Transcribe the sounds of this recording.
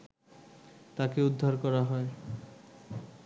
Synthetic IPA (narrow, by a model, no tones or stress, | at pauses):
t̪akeud̪ʱːaɾkɔɾaɦɔe